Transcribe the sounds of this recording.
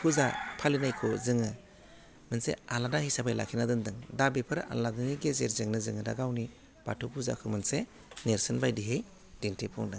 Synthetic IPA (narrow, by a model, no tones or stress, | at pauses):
pʰuzapʰalinajkʰɔzɯŋɯ | mɯnsḛaladahijsabajla̰kʰinadɯndɯŋdabepʰɯɾa̰ladɯniɡezeɾzeŋnɯzɯŋɯdaɡawni | b̥atʰupʰuza̰kʰɯmɯnse | neɾsɯnbajdiɦej | dintipʰɔ̰ŋdɯ